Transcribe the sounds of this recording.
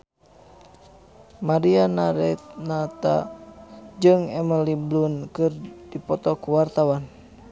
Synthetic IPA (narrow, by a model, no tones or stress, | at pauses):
maɾianaɾɛt̪nat̪a̰ | d͡ʒɨŋɛməliblunkɨrdipɔt̪ɔkuwart̪awan